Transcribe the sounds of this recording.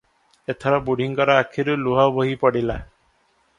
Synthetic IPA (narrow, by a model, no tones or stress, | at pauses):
et̪ʰɔɾɔbuɽ̤ʱiŋkɔɾɔakʰiɾuluɦabɔɦipɔɽila